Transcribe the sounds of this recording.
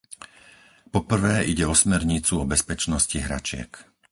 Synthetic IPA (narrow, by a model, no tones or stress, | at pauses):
pɔpr̩ʋɛːiɟɛɔsmɛɾɲit͡suɔbɛspɛt͡ʃnɔsciɦɾa̰t͡ʃɪɛ̰k